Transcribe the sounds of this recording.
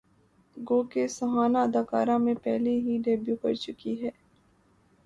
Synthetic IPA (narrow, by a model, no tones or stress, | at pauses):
ɡoːkesɐɦaːnaɐd̪aːkaːɾãmẽpɛɦleɦiɖɛːbjukɐ̰ɾt͡ʃʊkiɦɛː